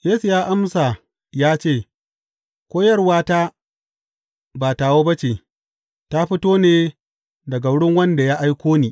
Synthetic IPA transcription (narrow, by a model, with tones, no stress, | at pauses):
jeː˦su˨jaː˦ʔa˦msa˨ | jaː˦t͡ʃeː˦˨ | kʷoː˦jɐ˦rwaː˦taː˦ | ba˨ta˨woː˦bɐ˦t͡ʃe˨ | ta˦ɸɪ˦toː˦neː˦ | dɐ˨ɡa˨wʊ˦ɽɪ˦ŋwɐ˦nda˨jaː˦ʔa˦jkʷoː˦niː˨